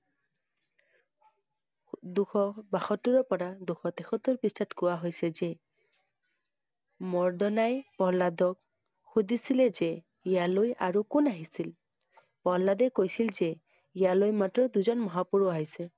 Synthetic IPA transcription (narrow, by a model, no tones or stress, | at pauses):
duxʰɔbaxɔtːuɹɔpɔɹaduxʰɔtɛxʰɔtːɔɹpistʰatkʊwaɦojsɛzɛ | mɔɹdɔnajpɔladɔk | xudisilɛzɛ | ijalojaɹukʊnaɦisil | pɔɦladɛkojsilzɛ | ijalojmatɹɔduzɔnmɔɦapuɹuaɦjsɛ